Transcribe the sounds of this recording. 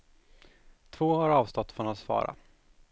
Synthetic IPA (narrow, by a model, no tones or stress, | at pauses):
t̪ʰvoːɦaɾɑːvst̪ɔt̪ːfɔnasfɑ̰ːɾa̰